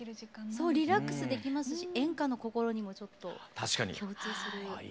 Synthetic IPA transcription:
ɾĩso̞ːɾʲiɾakːɯ̟̥sɨd̪e̞kʲimasɨɕiẽ̞ŋkano̞ko̞ko̞ɾo̞ɲ̟imo̞t͡ɕo̞t̪ːo̞t̪aɕi̥kaɲḭkʲjo̞ːt͡sɨːsɨɾɯ̟

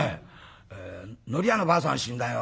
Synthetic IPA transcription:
eenoɾianopas̬ʰoa̰nɕʰindajo

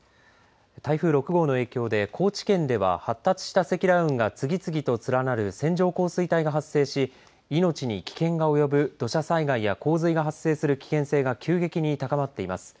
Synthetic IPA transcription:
t̪aiɸɯ̟ːɾo̞kɯ̟ɡo̞ːno̞eːkʲo̞ːd̪e̞kʰo̞ːt͡ɕi̥kẽ̞nd̪e̞βa̰hat̪ːat͡sɨ̥ɕi̥t̪ase̞kʲiɾaɯ̟̃ŋɡat͡sɨɡʲit͡sɨɡʲit̪o̞t͡sɨɾanaɾɯ̟sẽ̞ɲ̟d͡ʑo̞ːko̞ːsɨit̪aiɡaɦasːe̞ːɕi | ino̞t͡ɕiɲ̟ikʲi̥kẽ̞ŋɡao̞jo̞bɯ̟d̪̥o̞ɕasaiɡaijako̞ːzɨiɡaɦasːe̞ːsɨɾɯ̟kʲi̥kẽ̞ɰ̃se̞ːɡakʲɨːɡe̞kʲiɲ̟it̪akamat̪ːe̞imasɨ̥

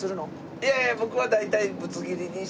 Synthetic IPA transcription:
ɨɾɯno | jajabo̞kɯ̟βad̪ait̪aibɯt͡sɨɡʲiɾʲiɲʲi

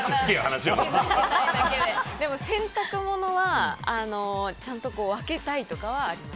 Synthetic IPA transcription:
sikʲːiahanaɕioaat̪aid̪aked̪ed̪e̞mo̞sẽ̞nt̪akɯ̟mo̞no̞βaano̞t͡ɕãnt̪o̞ko̞ːβake̞t̪ait̪o̞kaβaːɾʲimas

